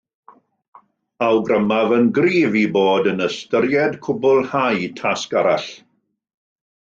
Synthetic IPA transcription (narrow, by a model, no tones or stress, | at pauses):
awɡrəmavənɡriːviboːdənəstəɾjɛdkʰʊbʊlˠhajtʰaskaɾaɬ